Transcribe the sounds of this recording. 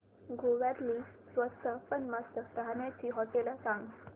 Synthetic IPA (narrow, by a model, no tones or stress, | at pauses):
ɡʱoʋaɾliːsʋəst̪ʰəpənmast̪ʰəɾanjat͡ɕiːɦɔʈelasãŋɡ